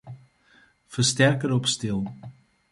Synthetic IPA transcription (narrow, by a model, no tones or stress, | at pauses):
fərstɛrkəɾɔpstɪlˠ